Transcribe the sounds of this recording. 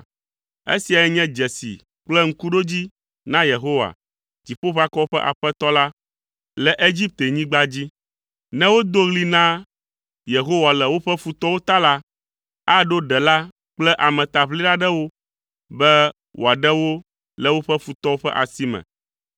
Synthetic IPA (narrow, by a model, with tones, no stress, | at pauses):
ḛ˦si˨a˨jɛ˦ɲɛ̃˦d͡ʒɛ˨sḭ˨ | k͡plɛ˦ŋ̩˦ku˦ɖo˦d͡ʑi˦ | nã˦je˨ɦo˦wa̰˨ | d͡ʑi˨ɸo˦ɸa˦kɔ˦o˦ɸɛ˦ʔa̰˨ɸɛ˦t̪ɔ˦la˦ | lɛ˨ʔe˦d͡ʑi˦p̚t̪e˨ɲĩ˦ɡ͡ba˦d͡ʑi˦ | nɛ̃˦wo˦d̪o˦ɣli˦nã˦ | je˨ɦo˦wa˨lɛ˨wo˦ɸɛ˦fu˨t̪ɔ˦wo˦t̪a˦la˦ | a˦ɖo˦ɖɛ˨la˦ | k͡plɛ˦ʔa˨mɛ̃˨t̪a˨βli˦ɖa˦ɖɛ˦wo˦ | bɛ˦ | wʔo̰˨a˨ɖɛ˦wo˦ | lɛ˨wo˦ɸɛ˦fu˨t̪ɔ˦wo˦ɸɛ̰˦ʔa˨si˦mɛ̰̃˨